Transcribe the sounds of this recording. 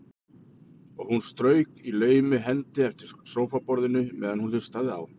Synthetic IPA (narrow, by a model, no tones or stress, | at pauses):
ɔɣhunst̪ɾœːɥkilœːɥjmʏɦɛnt̪ɪɛft̪ɪɾ̥soːwfapɔɾðɪnʏmɛ̰ːðanhunθʏ̥st̪aːðɪa̰w